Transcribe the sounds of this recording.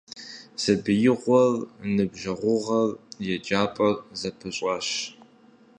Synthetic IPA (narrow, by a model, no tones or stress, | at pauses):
z̥ɐbɨjɪʁʷɔrnɨbʒɐʁʷʊʁɐrjɛd͡ʒʼaːpʼɐrzɐpʰɨɕʷʼɐɕ